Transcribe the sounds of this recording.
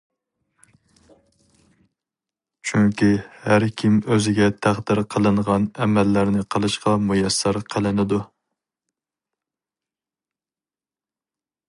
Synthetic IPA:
t͡ʃʰyŋkʲihæɾkʲʰimøzɪɡʲɛt̪ʰæχd̪ɪɾqʰəlˠɨɴʁɑnɛmɛlːæɾnɪqʰəlˠɨʃqɑmujɛsːæɾqʰəlˠɪnɪd̪u

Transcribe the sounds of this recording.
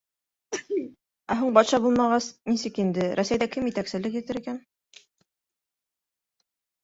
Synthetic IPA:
æɦuɴbɑt̪ʃɑbulˠmɑʁɑsnisɘkind̪ɘɾʔæsæjðækɘmjɘ̆t̪æksɘ̆lɘkjɘ̆t̪ɘɾikæn

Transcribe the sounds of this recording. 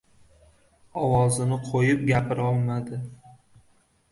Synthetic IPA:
ɒwɒzɪnɪqʰojɪpɡʲapʰɪɾɒlˠmad̪ɪ

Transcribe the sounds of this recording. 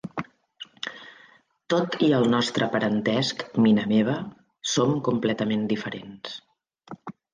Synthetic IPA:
t̪ot̪iəlˠnɔst̪ɾʔəpəɾənt̪ɛskminəmeβ̞ə | somkumplɛt̪əmend̪ifəɾens

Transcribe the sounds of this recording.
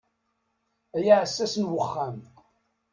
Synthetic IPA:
æjaʕəsːæsənwəχːæm

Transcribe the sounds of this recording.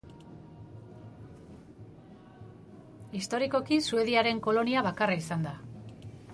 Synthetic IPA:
ist̪o̞ɾiko̞kisue̞ðiaɾe̞ŋko̞lo̞niaβakaraisand̪a

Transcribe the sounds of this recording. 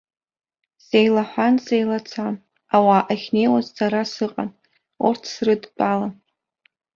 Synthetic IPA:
z̥ejlaħʷanzejlat͡sʰa | awaːʔaχʲne̞jwazt͡saɾasɨqʼa̰n | urtʰsrɨdpʼala

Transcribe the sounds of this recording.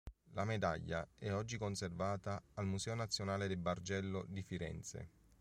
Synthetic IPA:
lamed̪a̰ʎːa̰ɛɔd͡ʒːikonservaːt̪aːlmusɛːonat̪sːjonaːled̪ɪbard͡ʒɛlːod̪ifiɾɛ̰nt̪sḛ

